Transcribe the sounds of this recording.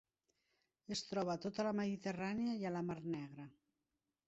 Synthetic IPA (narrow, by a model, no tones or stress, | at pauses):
est̪ɾɔβat̪ot̪alameðit̪eraneajalamarnɛɣɾa